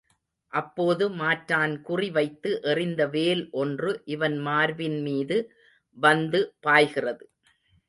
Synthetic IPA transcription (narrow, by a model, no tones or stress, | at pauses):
ʔɐpːoːðɯmaːʈɾaːnkʊriʋɐɪt̪ːɯʔɛrɪnd̪ɐʋeːlʔɔndrɯʔɪʋɐnmaːɾʋɪnmiːðɯ | ʋɐnd̪ɯpaːjɣɪrɐðɯ